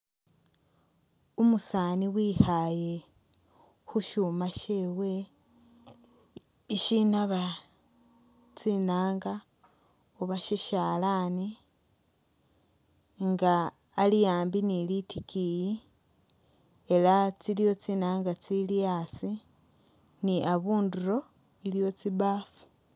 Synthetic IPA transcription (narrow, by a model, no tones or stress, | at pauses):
umusaniwixaje̞ | xuʃumaʃe̞we̞ | iʃinaβa | t͡sinaːŋɡa | oβaʃiʃaːlani | ŋɡaː | lijaːmbinilitikiji | elat͡silijo̞t͡sinaːŋɡat͡silijasi | niʔaβuːnduɾo̞ | ilijo̞t͡siβafu̥